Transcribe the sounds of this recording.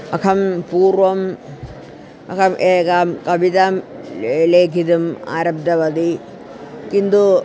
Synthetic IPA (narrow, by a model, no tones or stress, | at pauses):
ɐkʰɐmpuːɾʋɐm | ɐ̰kʰɐmʔeɡaːmkɐbit̪amleːk̬id̪uma̰ɾɐb̚d̪ɐbɐd̪i | kind̪u